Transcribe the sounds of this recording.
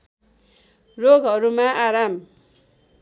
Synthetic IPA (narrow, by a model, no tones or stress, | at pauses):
roɡɦʌɾumaʔaɾam